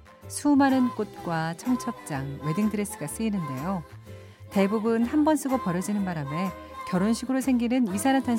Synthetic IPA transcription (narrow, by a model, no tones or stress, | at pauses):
sʰumanɯnk͈ot̚k͈wat͡ɕʰʌŋt͡ɕʰʌp̚t͡ɕ͈aŋwe̞dɯŋdɯɾes͈ɯ̥ɡas͈ɯːnɯnde̞jo | te̞bubɯnhambʌns͈ɯɡopʌɾjʌd͡ʑinɯnbaɾame̞ | kjʌɾonɕʰiɡɯɾosʰe̞ŋɡinɯnisʰanantʰan